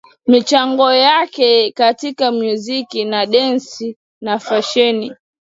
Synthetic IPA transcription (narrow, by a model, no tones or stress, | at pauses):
mit͡ʃaŋɡɔjakɛkatikamjuzikinaɗɛnsi | nafaʃɛni